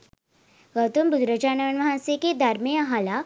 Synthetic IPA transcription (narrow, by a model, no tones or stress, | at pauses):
ɡəwt̪umbud̪ɾəd͡ʑanʋəɳʋɐɦãseked̪ʱaɾmeaɦala